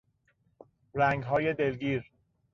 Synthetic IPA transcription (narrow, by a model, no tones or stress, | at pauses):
ɾæŋɡɦɒːje̞d̪e̞lɡiːɾ